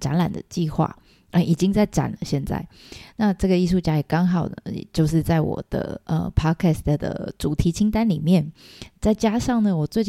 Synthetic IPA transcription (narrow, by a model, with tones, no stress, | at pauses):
ʈ͡ʂa̰˧˥nla̰˨˩nd̪ə̰˨t͡ɕi˥˧xwa̰˥˩ | ə˧˩i˨˩t͡ɕi˥ŋt͡sa˥˩ɪʈ͡ʂa̰˨˩nlə˦ɕjɛ˥˧nt͡sa̰˥˩ɪna˥˧ʈ͡ʂɤ˥˩ɡə˩i˥˧ʂ̬u˥˩t͡ɕja˥jɛ˨˩kɑ˥ŋxɑ˨˩ʊd̪ə̰˩t͡ɕjo˥˧ʊʂ̬ɻ̩˥˧t͡sa˥˩ɪwɔ̰˨˩d̪̥ə̰˧˩ə̰˧pʰɑ˥kʰɛ˥˩st̪ʰd̪ə̰˩ʈ͡ʂu˨˩t̪ʰi˧˥t͡ɕʰi˥ŋt̪a˥nli˨˩mjɛ˥˨˩nt͡sa˥˩ɪt͡ɕja˥ʂɑ˥˩ŋnə˩wɔ˨˩t͡swe˥˧ɪt͡ɕ